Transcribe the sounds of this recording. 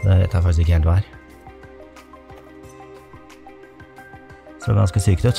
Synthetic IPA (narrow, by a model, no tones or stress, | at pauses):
d̪ɛɾɛ̰t̪ʰːhæɾfɑkt̪sɪkːəhelʋæːɾ | sɔ̰ɡɑnskəsyːkt̪œt̪